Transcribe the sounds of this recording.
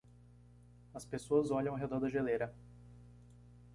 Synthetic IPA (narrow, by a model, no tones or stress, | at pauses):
ɐspesoɐzɔʎɐ̃w̃aɦed̪ɔɾd̪ɐʒeleɾɐ